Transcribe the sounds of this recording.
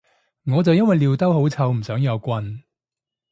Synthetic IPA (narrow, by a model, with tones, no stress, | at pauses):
ŋɔː˨˧t͡sɐ˨wjɐ˥nwɐ˨jliː˨˧wt̪ɐ˥who˨˥wt͡sʰɐ˧wm̩˨˩sœː˨˥ŋjɐ˨˧wkʷɐ˧n